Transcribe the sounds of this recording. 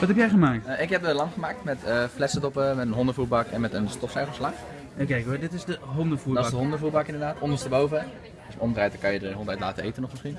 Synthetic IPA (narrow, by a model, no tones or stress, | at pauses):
ʋɑtɦɛpjɛjχəmaːktɪkɦɛpəlɑmχəmaːk̚tmɛtəflɛsədɔpəmɛtənɦɔndəvuːɹbɑkɛ̰nmɛtənstɔfsɛjχəslɑχ | kɛjkodɪtɪsdəɦɔndəvuːdɪsdəɦɔndəvuːɹbɑkɪndəɹdaːtʰɔndənstəbowvə | dəsɔmdrɛjtəkɑnjədəɦɔ̃ntɛjtla̰ːtəejtənɔχmɪsχin